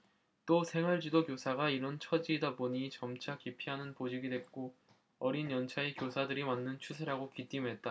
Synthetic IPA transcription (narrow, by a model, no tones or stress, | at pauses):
t͈osʰe̞ŋɦaɭd͡ʑidokjosʰaɡaiɾʌnt͡ɕʰʌd͡ʑiːdaboɲit͡ɕʌmt͡ɕʰakipʰiɦanɯnpod͡ʑiɡidwep̚k͈o | ʌɾinjʌnt͡ɕʰaekjosʰadɯɾimanːɯnt͡ɕʰusʰeɾaɡokit͈imɦe̞t̚t͈a